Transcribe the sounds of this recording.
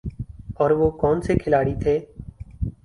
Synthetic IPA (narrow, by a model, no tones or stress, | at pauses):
ɔːɾʋoːkɔːnsekʰɪlaːɽit̪ʰeː